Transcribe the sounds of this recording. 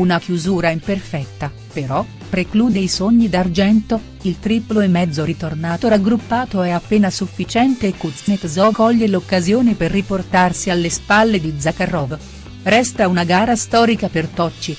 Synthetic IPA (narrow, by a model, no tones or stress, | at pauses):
unakjuzuːɾaimperfɛt̪ːa | peɾɔ | pɾekluːd̪ejsoɲːid̪ard͡ʒɛnt̪o | ilt̪ɾiploemːɛd̪zːoɾit̪ornaːt̪oɾaɡɾupːaːt̪oɛapːeːnasufːit͡ʃɛnt̪eːkːut̪snet̪zɔkɔʎːelokːazjoːneperːiport̪arsialːespalːed̪id̪zːakarːɔv | ɾɛst̪aunaɡaːɾast̪ɔːɾikapert̪ɔt͡ʃːi